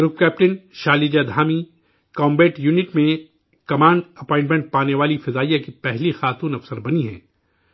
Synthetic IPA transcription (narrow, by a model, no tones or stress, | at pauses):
ɡɾʊp̚kɛːp̚ʈənʃaːlid͡ʒad̪ʱaːmi | kɔ̃ːmbeːʈjuːnɪʈmẽ | kɐmãːɳɖɐpɔ̃ːɪ̃ɳʈmẽɳʈ̚paːneʋaːlifɐzaːijakipɛɦlixaːt̪uːnɐfsəɾbɐniɦɛ̰̃ː